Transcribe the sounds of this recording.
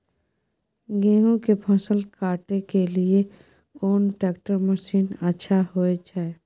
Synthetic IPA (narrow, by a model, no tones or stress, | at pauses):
ɡɛ̃ːɦõkepʰɔsəlkaːʈekelie | kɔːnʈɛːkʈəɾməʃiːnətːʃʰahoed͡ʒae